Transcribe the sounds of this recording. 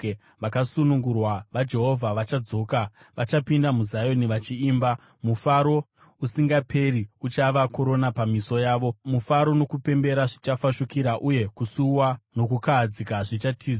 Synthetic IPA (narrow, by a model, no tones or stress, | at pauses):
ʋakasunuŋɡurwaʋad͡ʒe̞ɦo̞vʱaʋat͡ʃad͡zo̞ːka | ʋat͡ʃapindamuzajo̞niʋat͡ʃiːmba | mufaɾo̞ | usiŋɡapʰe̞ɾiut͡ʃaʋako̞ɾo̞napamiso̞jaːʋo̞mufaɾo̞no̞kupe̞mbe̞ɾaʐit͡ʃafaʃukiɾaʔuje̞kusuwano̞kukad͡zikaʐit͡ʃatʰiːa